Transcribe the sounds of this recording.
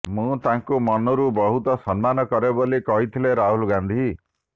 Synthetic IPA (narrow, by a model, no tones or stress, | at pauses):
mũt̪aŋkumɔnɔɾubɔɦut̪ɔsɔnmanɔkɔɾebolikɔɦit̪ʰileɾaɦulɡand̪ʱi